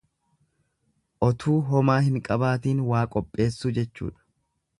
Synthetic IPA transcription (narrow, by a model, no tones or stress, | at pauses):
ʔɔt̪ʰuːɦɔmaːhɪŋkʼɐbaːt̪iːnwaːkʼɔpʼːe̞ːsːʊd͡ʒɛt͡ʃːṵːᶑɐ̥